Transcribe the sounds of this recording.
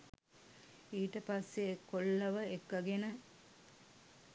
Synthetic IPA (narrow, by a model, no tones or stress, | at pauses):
iːʈəpasːekːoɭːɐʋəekʋɐɡenə